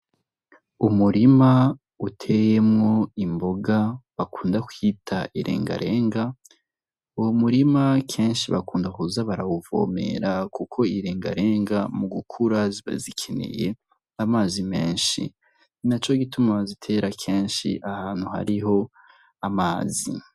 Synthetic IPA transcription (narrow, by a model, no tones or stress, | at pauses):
umuɾima | utʰejemŋo̞imbo̞ɡaβakuːndakwitʰaʔiɾḛːŋɡa̰ɾʔe̞ːŋɡa | uwomuɾimakʰe̞ːnʃiβakuːndakuzaβaɾawuvo̰me̞̰ɾakukʰo̞iɾe̞ːŋɡa̰ɾe̞ːŋɡamuɡukʰuɾaziβa̰zikʰenḛje̞ | amaːzime̞ːnʃḭ | nat͡ʃo̞ɡitumazitʰe̞ɾakʰeːnʃḭʔahaːn̥huha̰ɾiɦo̞ | amaːzḭ